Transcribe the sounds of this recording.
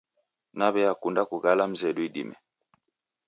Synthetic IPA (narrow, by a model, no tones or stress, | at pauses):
naβɛakundakuɣalam̩zɛɗwiɗḭmɛ̰